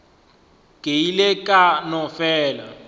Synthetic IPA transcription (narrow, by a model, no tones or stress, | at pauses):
ɡ̥ʱeilɛkʼanɔfɛːla̰